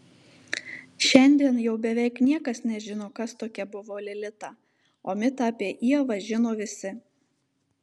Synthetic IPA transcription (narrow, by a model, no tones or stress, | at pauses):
ʃʲɛnʲd̪ʲiɛnjɛʊbʲɛʋʲɛɪknʲiɛkɐsnʲɛʒʲɪnoːkɐst̪oːkʲɛbʊʋoːlʲɪlʲɪt̪ɑː | oːmʲɪt̪ɑˑɑpʲiːʔiɛʋɐʒʲɪnoːʋʲɪsʲɪ